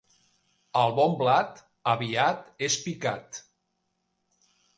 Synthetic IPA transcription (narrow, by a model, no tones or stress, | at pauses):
əlˠβɔmblat̪ | əβiat̪espikat̪